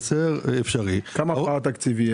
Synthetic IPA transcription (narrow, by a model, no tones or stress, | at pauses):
t͡seʁefʃaʁikamaat̪akt͡sivi